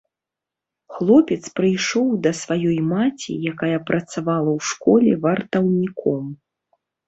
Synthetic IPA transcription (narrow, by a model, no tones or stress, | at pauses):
xlˠɔpʲɛt̪spɾɨjʂɔwd̪ɐsvajɔjmat͡sʲḭjakajɐpɾɐt̪savalˠɐwʂkɔlʲɛvɐrt̪ɐwnʲikʰɔm